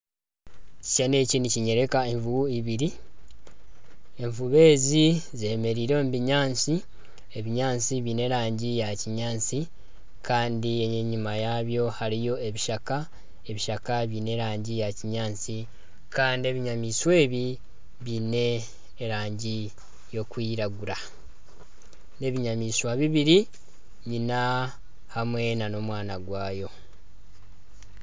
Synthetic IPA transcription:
ci̥ʃane̞ciniciɲe̞ɾe̞kae̞ɱvuβuiβiɾi | e̞ɱvuβe̞ːzize̞me̞ɾiːɾombiɲaːnt͡si | e̞βiɲaːnt͡siβine̞ɾaːɲɟijaciɲaːnt͡si | kʰaːndieeɲumajaβjo̞haɾijo̞e̞βiʃaka | e̞βiʃakaβiːne̞ɾaːɲɟijaciɲaːnt͡si | kaːndie̞βiɲamiːswe̞ːβi | βine̞ː | ɾaːɲɟi | jo̞kwiːɾaɡuɾa | ne̞βiɲamiːswaβiβiɾi | ɲina | hamwe̞nano̞mwaːnaɡwaːjo̞

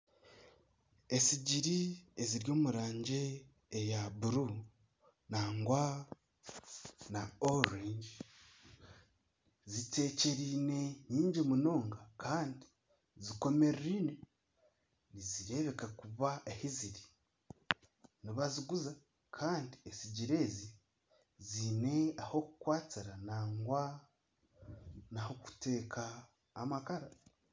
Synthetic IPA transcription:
e̞siɟiɾieziɾjo̞ːmuɾaːɲɟe̞ː | jaβuɾu | naŋɡwa | naoɾeɲɟi | zite̞ːce̞ɾiːne̞ɲiːɲɟimuno̞ːŋɡakʰaːndi̥ | ziko̞me̞ɾɾiːne | niziɾe̞βe̞kakuβaehiziɾi | niβaziɡuza | kʰaːndiesiɟiɾe̞ːzi | ziːne̞aho̞ku̥kwaːt͡siɾanaːŋɡwa | naho̞ku̥te̞ːkʰaː | makaɾa

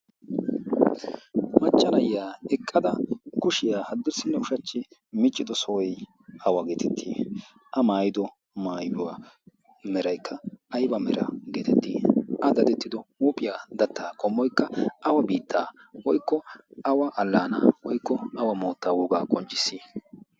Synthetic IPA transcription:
mɐt͡ʃʼːɐnɐjːaːɛkʼːɐd̪ɐkʊʃɪjaːhɐd̪ːɪɾsɪnːɛʊʃɐt͡ʃːɪmɪt͡ʃʼːɪd̪ɔsɔɔj | ɐwɐɡeːt̪ʰɛt̪ʰːiː | ʔɐmaːjɪd̪ɔ | maːjʊwa | mɛɾɐjkʰːɐːjbɐmɛɾɐ̰ɡeːt̪ʰɛt̪ːḭːʔɐd̪ɐd̪ɛt̪ːɪd̪ɔuːpʼɪjaːd̪ɐt̪ːaːkʼɔmːɔjkːɐɐwɐbiːt̪ʰːa̰ː | wɔjkːɔɐwɐʔɐlːaːna̰wɔjkːɔɐwɐmoːt̪ːaːwuːɡaːkʼɔnt͡ʃʼːɪ̥sːiː

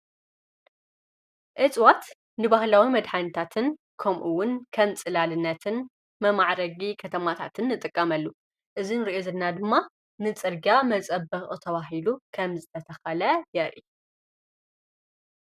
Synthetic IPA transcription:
ʔɨt͡sʼwat̪ | nɨbahlawimɐd̪ħanɐt̪ʰat̪ʰɨn | kʰɐmʔuwʊnkʰɐmt͡sʼɨlalɨnːɐt̪ʰɨn | mɐmaʕɾɐɡikʰɐt̪ʰɐmat̪ʰa̰t̪ʰɨnːɨt̪ʼɨkʼːɐmɐlːu | ʔɨzinɨɾiʔozɨnːad̪ɨmːa | nɨt͡sʼɨɾɡiamɐt͡sʼɐbɐχʼut̪ʰɐβaɦilukʰɐmzɨt̪ʰɐt̪ʰɐxɐlɐjɛɾʔḭ

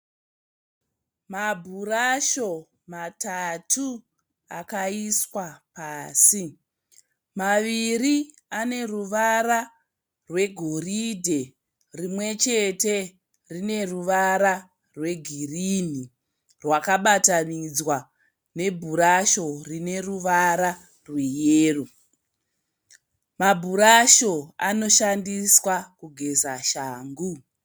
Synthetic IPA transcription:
mabʱuɾaʃo̞ | matatʰu | akaiswapaːsi | maʋiri | ane̞ruʋaɾa | rwe̞ɡʱo̞ridʱe̞ | rimwe̞t͡ʃe̞te̞ | rine̞ruʋaɾa | rwe̞ɡʱirini | rwakaɓatanid͡zwa | ne̞bʱuɾaʃo̞rine̞ruʋaɾa | rwejeːru | mabʱuɾaʃo̞ano̞ʃandiswakuɡʱe̞zaʃaːŋɡu

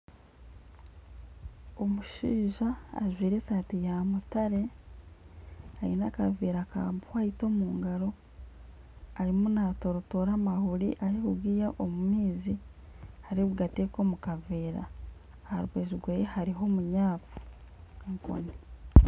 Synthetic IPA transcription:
o̞muʃiːʒa̰ːʒwiːɾe̞ːsaːtijamutaɾe̞ | ainakaviːɾaka̰ːmbuhaito̞muːŋɡaɾo̞ | aɾimunato̞ɾotoɾamahuɾiʔahihuɡiːjaʔomumiːzi | haɾiβuɡatekomukaviːɾa̰ː | haɾuɡeːʒiɾɡweːjehaɾiɦo̞muɲaːpu̥ | ŋko̰ni

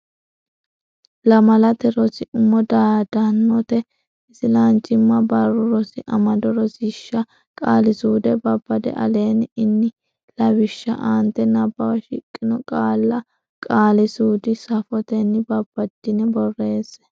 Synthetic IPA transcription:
lɐmɐlɐt̪ɛɾɔsɪʔʊmːɔd̪aːd̪ɐnːɔt̪ɛ | ɪsɪlant͡ʃʼɪmːɐbɐrːʊɾɔsɪʔɐmɐd̪ɔɾɔsɪʃːɐ | kʼaːlɪsuːd̪ɛbɐbːɐd̪ɛ̰ʔɐ̰le̞ːnɪnːɪ | lɐwɪʃːɐ̰ʔaːnt̪ɛnɐbːɐwɐʃɪkʼːɪnɔkʼaːlːɐ | kʼaːlɪsuːd̪ɪsɐfɔt̪ɛnːɪbɐbːɐd̪̥ːɪnɛbɔrːe̞ːs

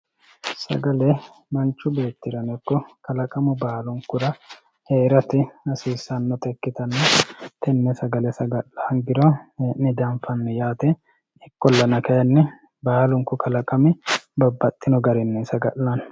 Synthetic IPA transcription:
sɐ̰ɡɐlɛ | mɐnt͡ʃːʊbe̞ːt̪ːɪɾɐnɛkːɔkɐlɐkʼɐmʊbaːlʊŋkːʊɾɐ | heːɾɐt̪ɪɐsiːsːɐnːɔt̪ɛkːɪt̪ɐnːɐt̪ɛnːɛsɐɡɐlɛsɐɡɐʔlɐɐŋɡɪɾɔʔnɪd̪ɐmfɐnːɛjaːt̪ɛ | ɪkːɔlːɐnɐkɐjɐnːɛ | baːlʊŋkʊkʰɐlɐkʼɐmɛbɐbːɐt̪ʼːɪnɔɡɐɾɛnːɛsɐɡɐʔlɐn

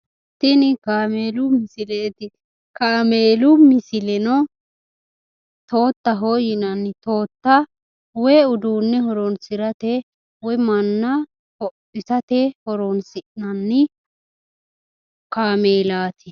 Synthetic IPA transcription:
t̪ːɪnɪkaːmeːlʊmɪsɪleːt̪ɪ | kaːmeːlʊmɪsɪlɛnɔ | t̪o̞ːt̪ːɐɦoːjɪnɐnːɪt̪o̞ːt̪ːɐ | wɛːʊd̪uːnːɛhɔɾɔnsɪɾɐt̪ɛ | wɔjmɐnːɐ | hɔpːɪsɐt̪ɛhɔɾɔnsɪʔnɐnːɪ | kaːmeːlaːt̪ʰɪ

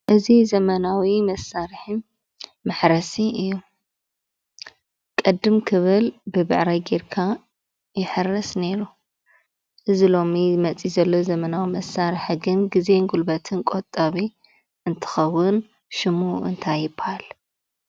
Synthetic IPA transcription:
ʔɨzizɐmɐnawimɐsaɾħɨn | mɐħɾɐsiɨjːu | kʼɨd̪ːɨmkʰɨβɨlbɨbɨ̰ʕɾajɡeɾkʰa | jɪħɨrɐsne̞ɾu | ʔɨzilo̞mimɐt͡sʼizɐlːo̞zɐmɐnawimɐsːaɾiħɡɨnɡize̞ŋɡulbɐt̪ʰɨnkʼot̪ʼːɐβi | ʔɨnt̪ʰɨ̥xɐwːʊn | ʃɪmuɨ̰nt̪ʰajɪbhal

